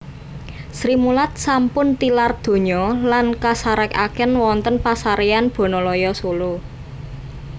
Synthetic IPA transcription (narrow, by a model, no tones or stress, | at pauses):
sɾimulat̪̚sampʊnt̪ilard̪̥o̤ɲɔlankasaɾɛka̰kɛnwɔnt̪ənpasaɾeanb̥o̤nɔlɔjɔsulu